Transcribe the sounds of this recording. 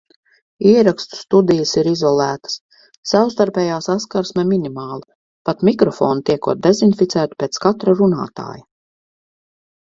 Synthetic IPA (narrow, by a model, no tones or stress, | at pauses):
iɛɾakst̪u̥st̪ud̪ijəsiɾizɔlˠæːt̪ə̥s | sawst̪aɾpʲɛːjaːsaskaɾsmɛminimaːlˠi | pat̪mikɾɔfɔːnt̪iɛkuːt̪̚d̪ezinfit̪sæːt̪u̥pʲeːt̪skat̪ɾaɾuna̰ːt̪a̰ːja